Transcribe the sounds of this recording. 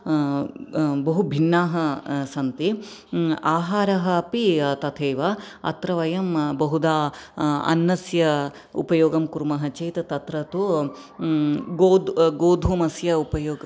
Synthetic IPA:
bɐɦubʱinːaːɦɐsɐnt̪i | aːɦaːɾɐɦɐpit̪ɐt̪ʰeːʋɐɐ̰t̪ɾɐʋɐjɐmbɐɦud̪aːɐ̰nːɐsjɐ | ṵpɐjoːɡɐmkuɾumɐɦɐt͡ʃeːt̪ɐt̪ɐt̪ɾɐt̪u | ɡoːd̪ɡoːd̪ʱʋumɐsjɐupɐjoːɡɐ

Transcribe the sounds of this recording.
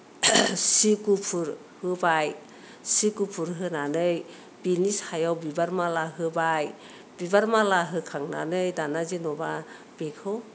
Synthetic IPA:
sikupʰuɾ | hɯbaj | sikupʰuɾɦɯnanɯj | binishajawbibaɾmalaɦɯbaj | bibaɾmalaɦɯkʰaŋna̰nɯjdanazinɔba | b̥ekʰɯw

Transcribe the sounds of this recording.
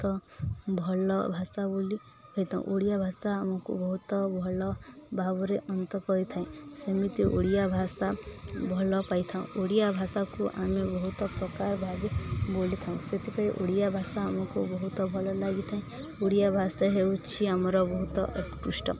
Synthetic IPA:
t̪ɔbʱɔlɔbʱasaboli | kɔjt̪ʰaṵ̃ʔoɽijabʱasaamɔkṵbɔɦut̪ɔbʱɔlɔbʱabɔɾeʔɔnt̪ɔkɔɾit̪ʰaĩsɔmit̪iʔo̰ɽijabʱasabʱɔlɔpait̪ʰaṵ̃ʔoɽijabʱasakuʔa̰mebɔɦut̪ɔpɾɔkaɾbʱaɡibolit̪ʰaũset̪ikaɾiʔoɽijabʱasaamɔkubɔɦut̪ɔbʱɔlɔlaɡit̪ʰaĩ | oɽijabʱasaɦeut͡ʃʰiamɔɾɔbɔɦut̪ɔ̰ʔḛkkusʈɔ̰

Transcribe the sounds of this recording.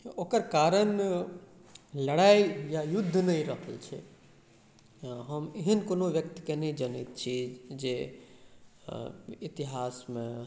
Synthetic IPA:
okəɾkaɾən | ləɽaijajud̪ʱːnəiɾəɦəlt͡ʃʰɛ̰ | ɦəmeɦənkonoʋjəkt̪ikenəid͡ʒənit̪̚t͡ʃʰid͡ʒe | it̪iɦasmẽ

